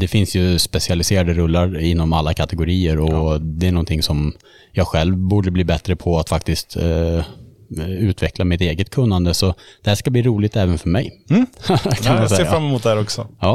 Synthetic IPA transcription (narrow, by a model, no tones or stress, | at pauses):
d̪̥ɛfɪnsjɵspɛsɪalɪseːɾad̪əɾɵlːaɾɪnːɔmalːakʰat̪ɛɡʊɾiːəɾɔd̪ɛæɳɔnt̪ʰɪŋsɔm | jɑːɡɧɛlvbuːɖəbliːbɛt̪ɾəpʰɔat̪fak̚t̪ɪst̪ | ʉ̟ːt̪ʰvɛklamɪt̪eːɡət̪̚kʰɵnːand̪əsɔd̪̥ɛhæːʂkabliːɾuːlɪɡt̪ɛːvənfœɾmɛj | kʰanasɛːafɾamːɛmuːt̪̚d̪ɛæːɾɔksɔjɑː